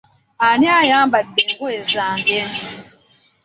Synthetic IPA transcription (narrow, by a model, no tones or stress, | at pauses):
aniajaːmbadːeːŋɡoezaːŋɡen